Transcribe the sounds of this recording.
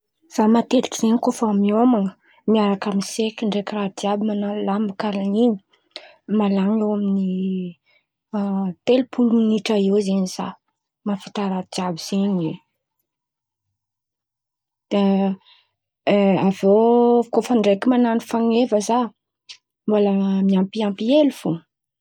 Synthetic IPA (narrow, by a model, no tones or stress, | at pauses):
z̥amat̪eɾikiz̥eɲikofamiomaŋə | miaɾakamisekiɳɖ͡ʐekirad̪iabimanalambakalaniɲi̥ | malaŋewamini | t̪elpʰuluminiʈ͡ʂaewzeɲiz̥a | mafi̥t̪aɾad̪iabiz̥eɲe | d̪̥e | avokofəɳɖ͡ʐekimananifaŋevəza | mboləmiampiampielufu